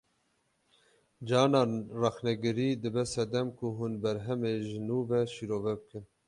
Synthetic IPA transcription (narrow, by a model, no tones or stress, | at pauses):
d͡ʒɑːnɑːrɑxnɛɡɨɾiːd̪ɨbɛsɛd̪ɛmkʰuɦunbɛɾɦɛmeːʒɨnuːvɛʃiɾoːvɛbɨkɨn